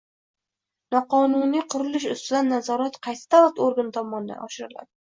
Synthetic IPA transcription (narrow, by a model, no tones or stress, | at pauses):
nɒqɒnunijqʰʊɾɪlɪʃ̬ʊst̪ɪd̪anːazɒɾat̪qʰɑjsɪ̥d̪avat̪oɾɡant̪ʰɒmɒnɪd̪a̰nɒʃɪɾɪla̰d̪ɪ